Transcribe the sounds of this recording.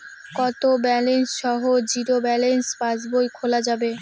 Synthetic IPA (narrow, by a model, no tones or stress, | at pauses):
kɔt̪obɛlensʃɔɦod͡ʑiɾobɛlenspasbojkʰolad͡ʑabe